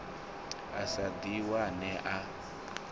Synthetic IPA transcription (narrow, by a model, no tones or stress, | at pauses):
a̰sad̪iwanɛʔa